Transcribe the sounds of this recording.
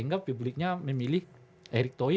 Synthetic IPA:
ŋɡapːublɪk̚ɲamemilɪh | ʔeɾik̚t̪o

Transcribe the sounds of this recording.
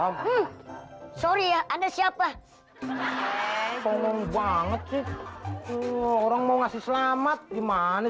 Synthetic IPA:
am̩ | soɾiaʔandasiapa | pɔŋɔŋbaŋət̪̚sɪh | oɾaŋmauŋasɪhsəlamat̪̚ɡimana

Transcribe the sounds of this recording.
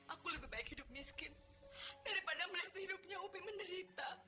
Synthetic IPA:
ʔakuləbɪhbaɪk̚hidʊp̚miskɪn | daɾipadaməliɦat̪hidʊp̚ɲaubɪməndəɾit̪a

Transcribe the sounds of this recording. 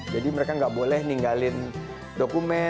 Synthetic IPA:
d͡ʒadiməɾekaŋɡaʔbolɛhniŋɡalɪn | dokumɛ

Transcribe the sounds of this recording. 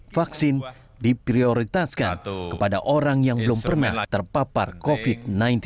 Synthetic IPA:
faksɪn | dipɾioɾit̪aska̰kəpada̰ʔoɾaŋjaŋbəlumpərna̰ht̪ərpapa̰rkofid̪̚najnt̪

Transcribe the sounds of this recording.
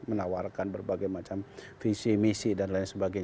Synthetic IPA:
mənawarkanbərbaɡajmat͡ʃam | fisimisidanlainsəbaɡajɲ

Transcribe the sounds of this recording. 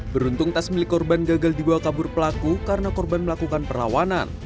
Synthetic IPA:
bəɾunt̪ʊŋt̪asmilɪkːɔrbanɡaɡaldibawahkabʊrpəlakukarənakɔrbanməlakukanpərla̰wana̰n

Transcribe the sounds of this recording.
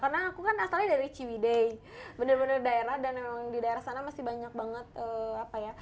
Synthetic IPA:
karnaːkukanast̪aladaɾit͡ʃiwidej | bənərbənərdaeɾahdanmemaŋdidaeɾahsanamasɪhbaɲak̚baŋət̪̚əːapaja

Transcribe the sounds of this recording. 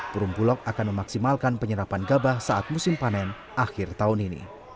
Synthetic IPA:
puɾumpulɔk̚akanməmaksimalkanpəɲəɾapanɡabahsaʔat̪̚musɪmpanɛn | ʔaxɪrt̪aʊuninḭ

